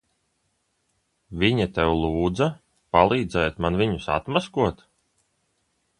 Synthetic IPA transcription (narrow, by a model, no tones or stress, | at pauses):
vʲiɲat̪ɛwlˠuːd̪za | palˠiːd̪zɛjt̪manviɲusa̰t̪maskuɔt̪